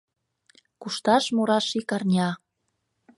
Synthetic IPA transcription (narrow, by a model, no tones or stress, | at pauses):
kuʃt̪ɑʃmuɾɑʃikɑrnʲɑ